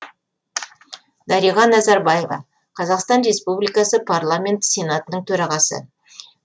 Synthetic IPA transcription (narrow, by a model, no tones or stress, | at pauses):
d̪ɑɾijʁɑnːæzɑɾbɑje̞vɑ̰ | qʰɑzɑqst̪ɑnɾe̞spublijkɑsəpʰarlˠamʲe̞nt̪se̞nat̪ənəɴt̪ʰɵɾɑʁɑsə̰